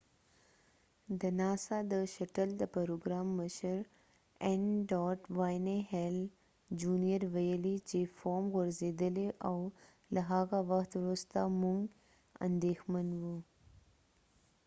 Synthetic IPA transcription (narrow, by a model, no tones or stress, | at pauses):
d̪ɐnaːsad̪əʃɐʈəld̪əpɐɾoːɡɾaːmːəʃəɾ | enɖɔːʈʋaːjneɦel | d͡ʑuːnijəɾʋɐjəlit͡ɕefoːmɣʊɾzeːd̪əleʔaw | lɐɦaːɡaʋɐkt̪ɾost̪amuŋɡ | ɐ̰̃nd̪eːxmənʋuː